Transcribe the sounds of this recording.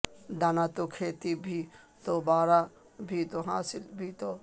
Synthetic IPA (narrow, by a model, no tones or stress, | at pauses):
d̪anat̪okʰeːt̪ibʱi | t̪obaːɾa | bʱit̪oɦaːsɪlbʱit̪o